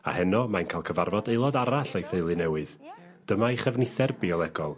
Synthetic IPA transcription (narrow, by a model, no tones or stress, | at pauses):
a̰hɛnɔmajnkʰaːlˠkʰəvarvɔdeɨlˠɔdaɾaɬajθeɨlˠɨnɛwɨð | d̥əmaiχəvnɪθɛrbiɔlˠɛɡɔlˠ